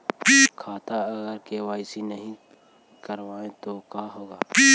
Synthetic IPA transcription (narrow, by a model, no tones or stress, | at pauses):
bikʰaːt̪aɐɡəɾkewaːɪsinɐɦĩ | kɐɾʋaːẽt̪okaːɦoːɡaːpi